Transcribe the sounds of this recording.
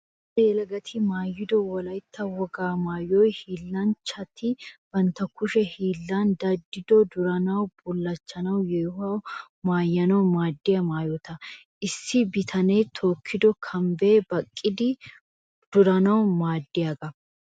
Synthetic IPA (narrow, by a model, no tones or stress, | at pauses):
ɛjɛlɐɡɐt̪ʰɪmaːjːɪd̪ɔwɔlɐjt̪ʰːɐwɔɡaːmaːjɔjhiːlːɐnt͡ʃɐt̪ɪb̥ɐnt̪ːɐkʊʃɛhiːlːand̪ɐd̪ːɪd̪ɔd̪ʊɾɐnɐwbʊlːɐt͡ʃːɐnɐwjɛjʊhɐw | maːjːɐnɐwmaːd̪ːɪjɐmaːjɔt̪ɐ | ʔɪsːɪbɪt̪ʰɐnejt̪ʰoːkʰːɪd̪ɔkʰɐmbeːbɐkʼːɪd̪ɪ | d̪̥ʊɾɐnɐwmaːd̪ːɪjaːɡɐ